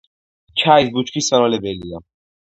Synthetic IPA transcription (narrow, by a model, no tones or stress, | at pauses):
t͡ʃʰaisbut͡ʃkʰisːanvalɛbɛlia